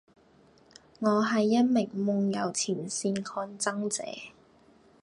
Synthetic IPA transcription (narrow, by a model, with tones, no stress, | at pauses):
ŋɔː˨˧ɦɐ˨jːɐ˥t̚mɪ˨˩ŋmʊ˧ŋjɐ˨˧wt͡sʰiː˨˩nsiː˧nkʰɔː˧nt͡sɐ˥ŋt͡sɛ̰ː˨˧